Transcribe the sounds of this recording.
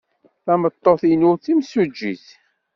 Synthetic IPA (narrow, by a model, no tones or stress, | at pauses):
θæmət̪ˤːoθinʊɾθimsud͡ʒːḭθ